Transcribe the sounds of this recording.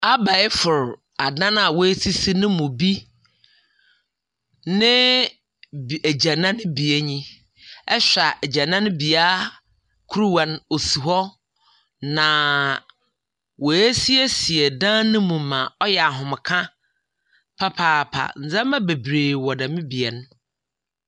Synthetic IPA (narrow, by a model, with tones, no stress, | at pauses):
a˦ba˨ɪ˦fʊ˨ɾ | a˨dã˦na˨wɔ˨˦e˦tʰi˦si˦nʊ̃˦mʊ̃˨bi˦ | nɪ̃˦ | bæ˨d͡ʑã˨nã˦nʊ̃˦bi˨e˦ɲĩ˦ | ɛ˦ɕᶣa˨ʔd͡ʑa˨nã˦nʊ̃˦bi˨a˦ | kʰu˦ɾu˦wã˨no˨su˨ɦɔ˦ | nã˨ | wo˨e˦si˦e˦si˨ɛ˨dãː˦nʊ̃˦mũ˨mã˨ɔ˦jɛ˨a˨ɦʊ̃˨m˨kʰã˦ | pʰa˦pʰaː˦˨pʰa̰˨n̩˨˦d͡zɛ̃˦mã˦be˨bɾeː˨wɔ˨dã˨mɪ̃˦bi˨ɛ˨n˦